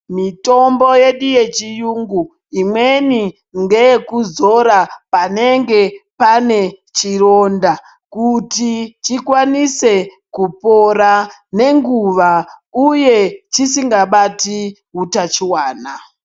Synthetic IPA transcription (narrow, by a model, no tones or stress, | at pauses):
mito̞mbo̞je̞ɗije̞t͡ʃijuŋɡu | imwe̞ni | ŋɡekuzo̞ɾapane̞ŋɡe̞pane̞t͡ʃiro̞nda | kutit͡ʃikwanise̞ | kupo̞ɾa | ne̞ŋɡuʋauje̞t͡ʃisiŋɡaɓati | ɦutat͡ʃiwaːna